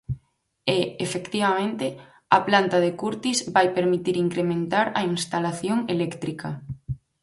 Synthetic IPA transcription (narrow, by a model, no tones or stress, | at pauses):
eefekt̪iβ̞amẽnt̪ɪ | ɐplant̪aðekuɾt̪izβajpeɾmit̪iɾiŋkɾemẽnt̪aɾɐinst̪alaθjoŋelɛkt̪ɾikɐ